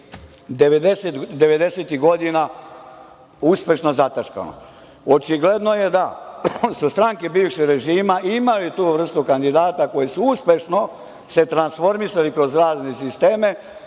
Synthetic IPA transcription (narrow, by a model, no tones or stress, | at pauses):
d̪eʋed̪eset̪ɡd̪e̞ʋe̞d̪eset̪iɡo̞d̪ina | uspe̞ʃno̞zat̪aʃka̰no̰ | ot͡ʃiɡle̞d̪no̞je̞d̪asust̪ɾaŋkebiʋʃiɾe̞ʒiːmaʔimalit̪uːʋr̩st̪ukand̪id̪aːt̪ako̞jesuuspe̞ʃno̞ | se̞t̪ɾansfo̞ɾmisalikɾo̞zɾaːznesist̪eːme̞